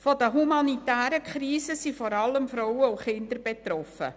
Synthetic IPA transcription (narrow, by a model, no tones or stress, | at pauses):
fɔdəɦumɑnitæːɾəkʰχɾiːsəsifɔɾɑləmfɾɔwəuχɪndəɾbet̪rɔfə̰